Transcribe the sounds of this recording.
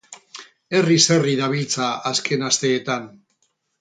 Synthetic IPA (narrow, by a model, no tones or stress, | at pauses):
e̞rise̞riðaβ̞ilt͡saaskʰe̞nast̪e̞ːt̪an